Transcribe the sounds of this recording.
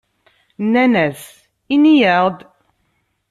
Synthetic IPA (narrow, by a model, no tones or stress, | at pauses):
nːænæs | inijəʁd̪